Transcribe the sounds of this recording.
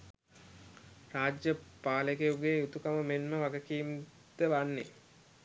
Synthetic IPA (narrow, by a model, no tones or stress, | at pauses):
raːd͡ʒjəpaːləkejuɡeut̪ukaməmenməʋaɡəkiːm | d̪əʋanːḛ